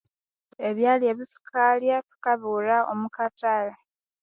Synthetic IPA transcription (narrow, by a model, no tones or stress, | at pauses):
e̞βjaːlje̞βifu̥kʰaljakikaβulaʔomukatala